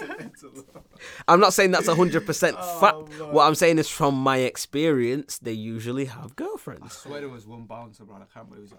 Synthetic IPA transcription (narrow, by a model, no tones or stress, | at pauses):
ãɪ̃mnətseɪ̃ŋðatsəɦʊ̃ndɹəd̚pʰə˞sɛ̃ntfak̚twɔʔãɪ̃mseɪɪ̃ŋɨz̥fɹə̃mːaɪɛkspiɹiə̃nsðeɪjʉʒəl̩ˠiəvɡɜlˠfɹɛ̰̃ndz̥wɛɾəwʌzwʌ̃nbalˠə̃nsəbãnəkʰãm